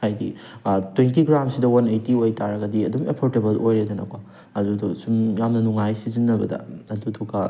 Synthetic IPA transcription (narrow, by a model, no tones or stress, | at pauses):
hajdḭtwentiɡɾamsidɐwɐnejtiojtaɾɐɡɐdiɐdumepʰoɾtebɐlʔojɾedɐnɐ̰ka | ɐdudosumjamnɐnuŋajsizinːɐbɐdɐ̰ɐdutʰokɐ